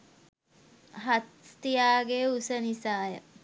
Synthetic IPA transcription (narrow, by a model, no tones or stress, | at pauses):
ɦat̪t̪ijaːɡeusənisaːjə